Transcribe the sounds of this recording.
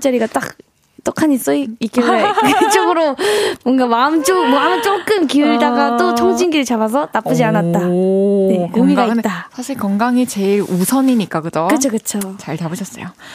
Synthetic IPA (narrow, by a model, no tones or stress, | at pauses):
t͡ɕ͈ʌɾiɡat͈ak̚ | t͈okʰaɲis͈ʌikik͈eeket͡ɕ͈oɡɯɾomwʌŋɡamaɯmt͡ɕ͈omamɯt͡ɕ͈ok͈ɯmkiuɭdaɡat͈ooŋd͡ʑinɡiɾɯɭt͡ɕabas̬ʰʌnap͈ɯd͡ʑianat̚t͈ane̞komiɡaiɯtt͈asʰaɕʰiɭkʌŋɡaŋit͡ɕe̞iɾusʰʌɲiɲik͈akɯdʌkɯt͡ɕʰokɯt͡ɕʰot͡ɕaɭtabɯɕʰʌs͈ʌ̰jo